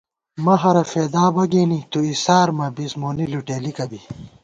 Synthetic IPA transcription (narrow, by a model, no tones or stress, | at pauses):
mɐɦɐɾɐfeːd̪aːbɐɡeːnit̪uisaːɾmɐbismoːniluʈeːlikɐbi